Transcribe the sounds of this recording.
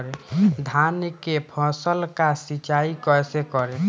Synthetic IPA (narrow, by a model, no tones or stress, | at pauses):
ɾed̪ʱankepʰɔsəlkasit͡ʃaikɔjsekɔɾe